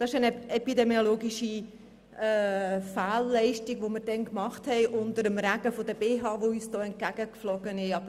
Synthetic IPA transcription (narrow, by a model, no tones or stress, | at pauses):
d̥ɑɪʃɛnɛpidɛmioloːɡiʃi | ɛːfaːlːɛɪʃtiɡʋoməɾd̥ɛnkmɑχthɛɪʔʊndəɾəmræɡəfodəb̥eːɦɑːvoyːsd̥ɔːɛnt̚ɡ̥æɡ̥əkflɔɡ̥ənɪʃɑbə